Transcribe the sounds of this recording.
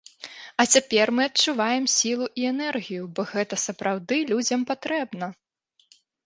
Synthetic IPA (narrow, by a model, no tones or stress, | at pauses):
ɐt͡sʲapʲɛrmɨɐtt͡ʂːuvajɛmsʲilˠuʔiɛnɛrɣʲijubɔɣɛt̪ɐsɐpɾawd̪ɨlʲud͡zʲɐmpat̪ɾɛbnɐ